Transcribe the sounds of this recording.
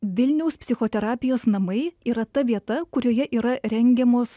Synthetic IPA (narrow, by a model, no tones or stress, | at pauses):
ʋʲɪlʲnʲɛʊspʲsʲɪxoːt̪ʲɛɾɑːpʲɪjoːsnɐmɐɪiːɾɐt̪ɐʋʲiɛt̪ɐkʊɾʲoːjɛʔiːɾɐɾʲɛŋʲɡʲɛmoːs